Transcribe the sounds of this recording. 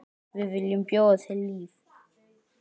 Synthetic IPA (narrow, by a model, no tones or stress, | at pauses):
vivilimpʼjɔsʰɛliːf | a